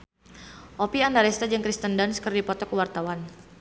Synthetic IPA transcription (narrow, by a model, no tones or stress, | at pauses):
ʔɔpiandaɾɛst̪ad͡ʒəŋkɾist̪əndanskərdipɔt̪ɔkəwart̪awan